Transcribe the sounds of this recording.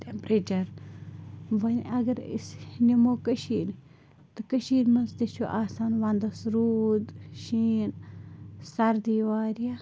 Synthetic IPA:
t̪ʲempɾeːt͡ʃɐɾ | ʋɐnʲɐɡɐɾḭsnʲimoːkəʃiːn | t̪ɨkəʃiːnmɐnsd̪iʃʰoʔaːsaːnʋand̪ɐsɾuːd̪ʃiːn | sɐɾd̪iːʋaːɾija

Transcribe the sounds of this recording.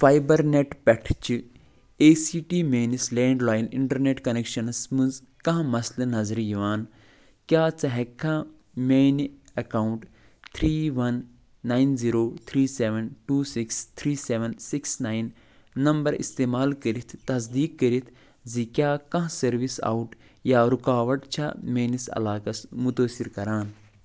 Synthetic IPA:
faːjbɐɾneʈpɛʈʰt͡ʃi | eːsiːʈiːmeːnislẽːɳɖlaːjnḭɳʈɐɾneʈkɐnekʃɐnsmɨ̃nz | kɐ̃ɦmɐslɨnɐzɾijiʋaːn | kjaːt͡sɐɦɛkɐ̃ | meːnɐkaːwuɳʈ | t̪ʰɾiːʋɐnː | aːinziːɾoːt̪ʰɾiːseʋɐnʈuːsikst̪ʰɾiːseːʋɐnsiksnaːinː | ɐmbɐɾḭst̪eːmaːlkəɾit̪ʰt̪ɐs̬d̪iːkːəɾit̪ʰ | zikʲjaːkɐ̃ɦsɐɾʋisa̰ːuʈ | jaːɾukaːʋɐʈt͡ʃʰameːnisɐ̰laːkɐsmut̪oːsiɾkɐɾaːn

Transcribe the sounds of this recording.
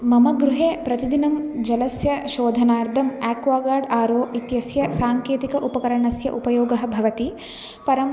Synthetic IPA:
mɐmɐɡɾuɦeːpɾɐt̪id̪inɐmd͡ʒɐlɐsjɐʃoːd̪ʱɐnaːɾd̪ʱɐmɛːkʋaːɡaːɾɖaːɾoːʔit̪jɐsjɐsaːŋkeːt̪ikɐʔupɐkɐɾɐɳɐsjɐʔupɐjɔːɡɐɦɐbʱɐʋɐt̪i | pɐɾɐm

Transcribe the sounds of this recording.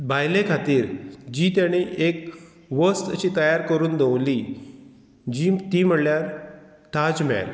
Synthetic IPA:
bʱajlekʰat̪iːɾd͡ʑiːt̪jaɽ̃iʔek | ʋəst̪ət͡ɕiːt̪əjaɾkəɾuːnd̪ʱewli | d͡ʑiːt̪iːm̤əɽljaɾ | t̪ad͡zma̰l

